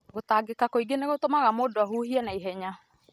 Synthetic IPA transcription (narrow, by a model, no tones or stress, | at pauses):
ɡotaːɡekakoiɡeneɣotomaɣamoːdoaɦuhiɛnaiɦɛɲa